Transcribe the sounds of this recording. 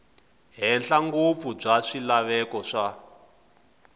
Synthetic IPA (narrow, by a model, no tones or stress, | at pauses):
ɦɛnɬaŋɡop̪fub͡ʐaʂilaβɛkɔʂa